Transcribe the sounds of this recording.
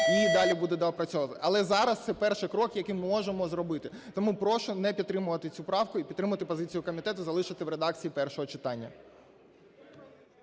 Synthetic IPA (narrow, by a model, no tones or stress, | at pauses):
id̪ɑlʲibud̪ɛd̪ɐɐpɾɐt͡sʲɔʋɐt̪ɪʔɐlˠɛzɑɾɐst̪sɛpɛrʃɪkɾɔkjɐkimɪmɔʒemɔzɾɔbɪt̪ɪt̪ɔmupɾɔʃɔnɛpʲidt̪t̪ːɾɪmʊʋɐt̪ɪt͡sʲupɾɑwkʊipʲt̪ːɾɪmʊʋɐt̪ɪpɔzɪt͡sʲijʊkɔmʲit̪ɛt̪ʊzɐlˠɪʃɐt̪ɪwɾed̪ɑkt͡sʲijipɛrʃɔɦɔt͡ʃɪ̥t̪ɑnʲːɐ̰